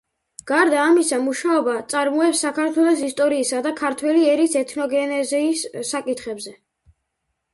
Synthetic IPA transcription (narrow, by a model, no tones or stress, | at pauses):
ɡ̥aɾd̪aːmisamuʃaɔbat̪sʼaɾmɔɛpsːakʰaɾt̪ʰwɛlˠɔsist̪ʼɔɾiːsad̪akʰaɾt̪ʰwɛliɛɾisɛt̪ʰnɔɡɛnɛzɛisːakʼit̪ʰχɛbzɛ